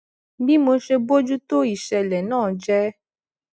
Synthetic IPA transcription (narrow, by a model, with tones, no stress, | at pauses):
bi˦mo˧ʃe˧bo˦d͡ʒu˦to˦i˨ʃɛ˧lɛ˨nãː˦˨d͡ʒɛ˦